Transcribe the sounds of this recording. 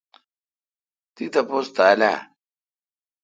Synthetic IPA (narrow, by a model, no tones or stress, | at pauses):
t̪it̪ɐpost̪aːla̰